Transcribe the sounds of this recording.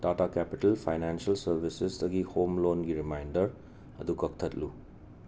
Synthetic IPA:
datakɛpiʈɐlpʰajnɛnsɐlsɐɾbʱisesdɐɡihomlonɡiɾimajndɐɾ | ɐd̪ukɐk̚t̪ʰɐtlu

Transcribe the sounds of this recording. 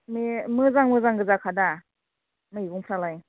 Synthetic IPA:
memɯzaŋmɯzaŋɡɯzakʰada | mɯibuŋpʰɾalaj

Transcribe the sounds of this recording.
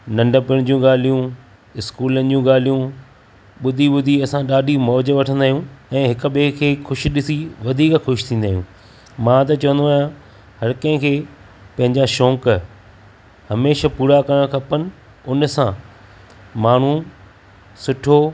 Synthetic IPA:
nɐ̃ɳɖəpɪɽ̃d͡ʑũɠaːl̤ijũ | ɪskuːlənɪ̆d͡ʑũɠaːl̤ijũ | ɓʊd̪ʱiɓʊd̪ʱiɐsãɗaːɗimɔːd͡ʑʋɐʈʰə̃nd̪aːɦijũɛ̃ːɦɪkʊɓekʰeːxʰʊʃ̆ɗɪsiʋɐd̪ʱiːkxʊʃt̪ʰĩːn̆d̪aːɦjũː | mãːt̪̬ɐt͡ɕɐʋə̃nd̪oaːjã | hɐɾkɐ̃ɦɪ̃kʰeː | pɐ̃ɦɪ̃ɲd͡ʑaʃɔ̃ːk | hɐmeːʃapuːɾakɐɾəɽ̃kʰɐpənɪ̆ | ʊnsã | maːɳ̤ũ | sʊʈʰoː

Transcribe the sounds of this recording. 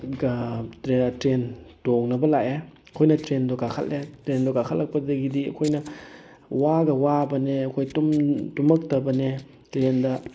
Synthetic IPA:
ɡɾetɾentoŋnɐbɐlae | ɐkʰojnɐtɾendɔɡakʰɐ̰letɾendɔɡakʰalːɐk̚pɐdɐɡidiɐ̰kʰojnɐ | waɡɐwabɐneɐkʰojtumtumɐk̚tɐbɐne | tɾendɐ

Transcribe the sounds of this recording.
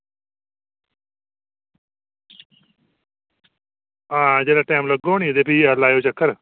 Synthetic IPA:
ãːd͡ʒeːlaʈaːmlɐɡoːɳ̃id̪epialaːjoːt͡ʃɐkːəɾ

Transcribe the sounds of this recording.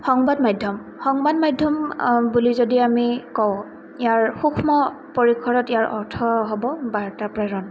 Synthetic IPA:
xɔŋbadmajdʱjɔm | xɔŋbadmajdʱjɔmbulizodiamikɔw | ijaɹxukʰmɔ | poɹikʰːɔɹɔtijaɹʔɔ̰ɹtʰɔɦobɔbaɹtapɹɛɹɔn

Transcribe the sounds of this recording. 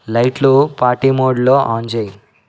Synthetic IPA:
lɐjʈlupaːʈimoːɖloːʔaːɲd͡ʒeji

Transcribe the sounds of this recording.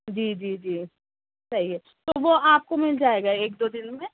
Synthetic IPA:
d͡ʒiːd͡ʒiːd͡ʒiː | t͡ʃɐɦiɛ | t̪oʋoaːp̚komɪld͡ʒaːeːɡaeːk̚d̪od̪ɪnmẽ

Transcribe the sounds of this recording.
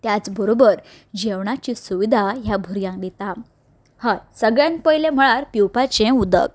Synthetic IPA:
t̪jat͡sbəɾobəɾ | d͡ʑeʋɳat͡ɕisuʋid̪ʱaɦjabʱuɾjãŋkd̪it̪a | hasəɡɭjãnpəjlem̤əɭaɾpiwpat͡ɕẽud̪ə̰k

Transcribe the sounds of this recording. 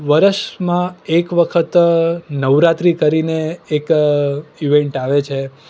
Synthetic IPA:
ʋəɾəʃmãekʋəkʰət̪nəʋɾat̪ɾikəɾineːk | iʋeɳʈaʋet͡ʃʰe

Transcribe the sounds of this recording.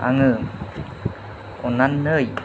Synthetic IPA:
a̰ŋɯ | onanːəj

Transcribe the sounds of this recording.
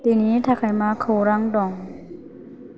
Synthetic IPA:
t̪iːniːt̪ʰaːkʰajmaːkʰaɾaŋdɔŋ

